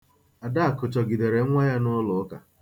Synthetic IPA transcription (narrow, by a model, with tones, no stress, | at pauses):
a˨da˦a˨kʊ˨t͡ʃɔ˨ɡi˨de˨ɾe˨˦ŋʷa˦ja˦nʊ˦lʊ˨˦ka̰˨